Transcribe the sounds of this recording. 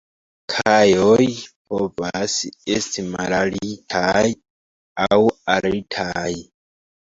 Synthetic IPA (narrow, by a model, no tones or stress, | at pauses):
kʰajojpʰovasestimalalitʰaj | awalitʰaj